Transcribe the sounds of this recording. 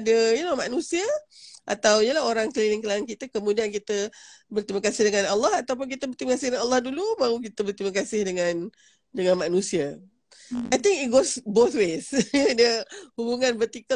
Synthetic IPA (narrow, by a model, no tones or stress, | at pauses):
adəjilɔmanũsiaʔa̰t̪awɲəlaɦoɾaŋklilɪŋkəlaankit̪əkəmũdiankit̪əbərt̪ɾiməkasɪhdəŋanalːɑhat̪awp̬ʊnkit̪əbərt̪iməkasɪdəanalːɑhdulubaukit̪əbərt̪ɾiməkasɪhdəŋãn | dəŋãnmanũsia | ʔajt̪ĩŋkit̚ɡosbot̪wesdəhubuŋãnbərt̪ikə